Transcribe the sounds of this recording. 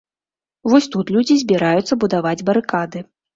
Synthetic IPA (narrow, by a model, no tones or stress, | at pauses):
vɔsʲt̪ut̪lʲud͡zʲizʲbʲiɾajut̪sːɐbud̪avad͡zʲbɐɾɨkad̪ɨ